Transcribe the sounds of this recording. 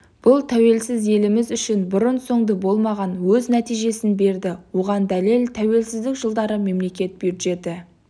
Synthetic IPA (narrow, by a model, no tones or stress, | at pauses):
b̥ʊlˠt̪ʰæwe̞lsɪze̞lɪmɪzʏʃɪnbʊɾənso̞ɴd̪əbo̞lˠmɑʁɑnwɵznæt̪ijʒe̞sɪnbe̞ɾd̪ɪwo̞ʁɑnd̪æle̞lt̪ʰæwe̞lsɪzd̪ɪkʒəlˠd̪ɑɾəme̞mle̞kʲe̞t̪̚biɾʒe̞t̪ɪ